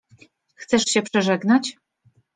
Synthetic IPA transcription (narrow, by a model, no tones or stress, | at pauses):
xt̪sɛʂɕɛpʂɛʐɛɡnat͡ɕ